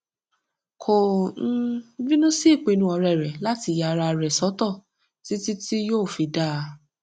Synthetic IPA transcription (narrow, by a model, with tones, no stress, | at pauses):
kʰo˨n̩˦vĩ˦nũ˦si˦i˦˨k͡pe˨˧nũ˧˦ɔ˧ɾɛ˨ɾɛ˨la˦ti˧˨ja˧ɾa˧ɾɛ˨sɔ˨˦tɔ˦˨ | ti˦ti˦ti˦joː˦˨fi˨˧da˦˨˧